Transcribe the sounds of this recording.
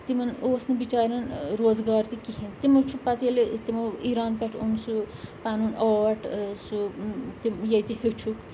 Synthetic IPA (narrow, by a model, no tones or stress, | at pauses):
t̪imɐnoːsnɨbit͡ʃaːɾɐnɾoːzɡaːɾt̪ikiɦint̪imɐt͡ʃʰupɐt̪iɐlit̪imɐiɾaːnpɛʈʰunsupaːnuːnoːʋɐʈʰsut̪imjɐt̪ihet͡ʃʰuk